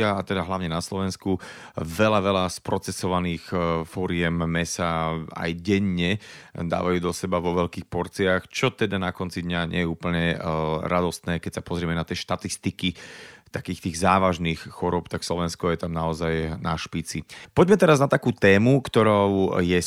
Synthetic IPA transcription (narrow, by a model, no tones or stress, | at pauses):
aat̪ɛd̪aɦlaʊɲɛnaslɔʋɛnskuʋɛlaʋɛʎaspɾɔt͡sɛsɔʋaniːxfɔɾɪɛmːɛsaa̰jɟɛɲɲɛd̪a̰ːʋajuːd̪ɔsɛbaʋɔʋɛʎkiːxpɔɾt͡siaxt͡ʃɔt̪ɛd̪anakɔnt͡sid̪ɲaɲɛ̰jɛuːpl̩ɲɛɾad̪ɔst̪nɛːkɛcsapɔzɾɪɛmɛnat̪ɪɛʃt̪at̪ist̪ikit̪akiːxt̪iːɣzaːʋaʒniːxxɔɾʊɔːpt̪akslɔʋɛnskɔjɛt̪amnaɔzajnaʃpit͡sipɔɟmɛt̪ɛɾaznat̪akuːt̪ɛːmukt̪ɔɾɔʊjɛ